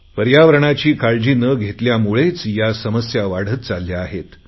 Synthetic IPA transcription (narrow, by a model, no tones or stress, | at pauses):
pəɾjaʋəɾəɳ̃at͡ɕiːkaɭd͡ʑiːnəɡʱet̪ljamuɭet͡sjasəməsjaʋaɽ̤ət̪̚t͡salːjaːɦet̪